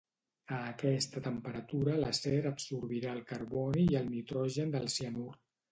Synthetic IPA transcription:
əːkɛst̪ət̪əmpəɾət̪uɾələsɛɾəpsuɾβiɾaəlˠkəɾβɔniːəlˠnit̪ɾɔʒənd̪əlˠsiənurt̪

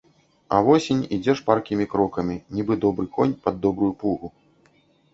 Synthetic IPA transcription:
ɐ̰vɔsʲinʲid͡zʲɛʂparkʲimʲikɾɔkɐmʲinʲibɨd̪ɔbɾɨkɔnʲpɐd̪ːɔbɾujupuɣu

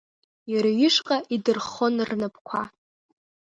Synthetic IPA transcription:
jaɾaɥɪʂqʼaʔidɨrχo̞nrnapʰʼkʷʰa

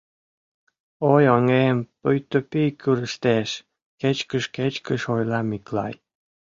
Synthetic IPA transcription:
ojoŋempəjt̪opikʰyɾəʃt̪eʃ | ket͡ɕkəʃket͡ɕkəʃojlɑmiklɑ̰j

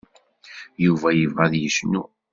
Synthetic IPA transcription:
juvæjəvʁæðjəʃnu

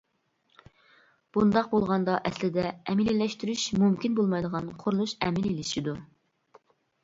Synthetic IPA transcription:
b̥und̪ɑq̚bolˠʁɑnd̪ɑʔɛslɪd̪ɛɛmɪlilːɛʃt̪yɾyʃmumkʲinbolˠmɑjd̪əʁɑnqʰoɾlˠuʃɛ̰mɪlilɪʃid̪u

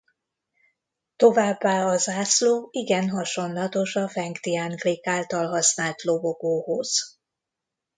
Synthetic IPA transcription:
t̪o̞vaːbːaːɒzaːsloːiɡɛnɦɒʃo̞nlɒt̪o̞ʃɒfɛŋkt̪iaːŋkleːkaːlt̪ɒlɦɒsnaːlt̪lo̞boɡoːhoz̥

